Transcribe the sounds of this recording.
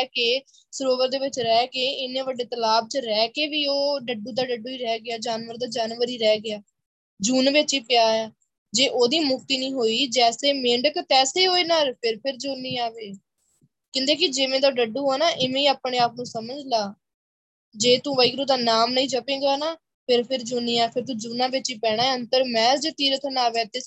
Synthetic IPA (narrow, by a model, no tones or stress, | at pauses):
keː | səɾoːʋəɾd̪eːʋɪt͡ʃɾɛːkeːɪnẽːʋəɖeːt̪əlaːb̚t͡ʃəɾɛːkeːʋiːoːɖəɖuːd̪aːɖəɖuːiːɾɛːɡɪaːd͡ʒaːnʋəɾd̪aːd͡ʒaːnʋəɾiːɾɛːɡɪaː | d͡ʒuːnʋɪt͡ʃiːpɪjaːaː | d͡ʒeːʔoːd̪iːmʊkt̪iːnĩːɦoːiːd͡ʒɛːseːmẽːɳɖəkt̪ɛːseːɦoːiːnaːɾpʰɪɾpʰɪɾd͡ʒuːniːaːʋeː | kɪ̃nd̪eːk̬ɪd͡ʒɪmẽːd̪aːɖəɖːuːɦoːnaːʔɪmẽːĩːaːpɳeːaːp̚nũːsəməd͡ʒlaː | d͡ʒeːt̪ũːʋəiːkɾuːd̪aːnaːmnəĩːd͡ʒəpẽːɡaːnaː | pʰɪɾpʰɪɾd͡ʒuːniːaːpʰɪɾt̪ũːd͡ʒuːnãːʋɪt͡ʃiːpɛːɽ̃aːɛːənt̪əɾmɛ̃ːd͡ʒət̪iːɾət̪ʰnaːʋɛːt̪eː